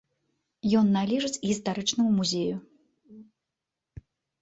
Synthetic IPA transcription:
jɔnːalʲiʐɨt͡sʲɣʲist̪aɾɨt͡ʂnɐmumuzʲeju

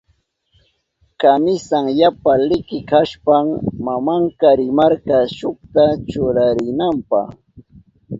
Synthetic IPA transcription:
kamɪsaŋjapalɪkɪkaʃpaŋmamaŋkaɾɪmaɾkɑʃʊk̚t̪at͡ʃʊɾaɾɪnampɑ̰χ

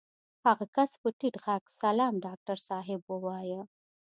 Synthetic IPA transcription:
haɣakaspəʈiʈɣaɡsalɑmɖɑk̚ʈaɾsɑɦɪbwəwɑjə

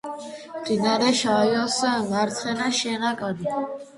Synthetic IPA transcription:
md̪ʼinaɾɛʃajɔsɛvaɾt̪ʰχɛnaʃɛnakʼad̪i

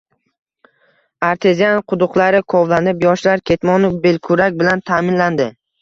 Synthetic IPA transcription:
aɾt̪ʰe̞zijanqʰʊd̪ʊqlˠaɾɪkʰɒvlanɪpjɒʃlaɾkʲʰe̞t̪mɒnɪbe̞lkʰʊɾak̚ʲbɪlant̪ʰamɪnland̪ɪ

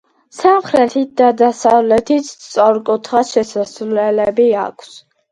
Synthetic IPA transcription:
samχɾɛt̪ʰit̪̚d̪ad̪asavlɛt̪ʰit̪t̪sʼɔɾkʼut̪ʰχaʃɛsasvlɛlɛbia̰kʰs

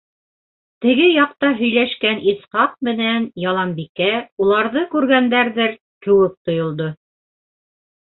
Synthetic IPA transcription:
t̪ɘ̆ɡɘjɑq̚t̪ɑɦɵ̆jlæʃkænisχɑq̚mɘ̆nænjɑlˠɑmbikæulˠɑɾðɤkʉɾɡænd̪æɾðɘɾ | kɘ̆wɘp̚t̪ŏjŏlˠd̪o

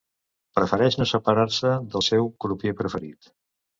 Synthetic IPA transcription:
pɾəfəɾɛʃnosəpəɾaɾsəðəlˠsɛwpɾupjepɾəfəɾit̪

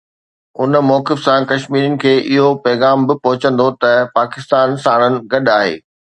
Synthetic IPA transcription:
ʊnmɔːkɪfsãkɐʃmiːɾənɪ̆kʰeːʔɪɦopɛːɣaːmbɪpɐɦʊt͡ɕə̃nd̪ot̪ɐpaːkɪst̪aːnsaːɽ̃ənɪ̆ɡɐɗaːɦḛː

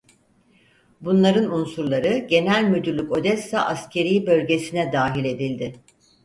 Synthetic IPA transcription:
bunlˠaɾɯnunsuɾlˠaɾɯɟe̞nælʲmyd̪yɾlʲyko̞d̪ɛsːaʔascʰe̞ɾiːbø̞lʲɟe̞sinɛd̪aːɦilʲe̞d̪ilʲd̪ɪ

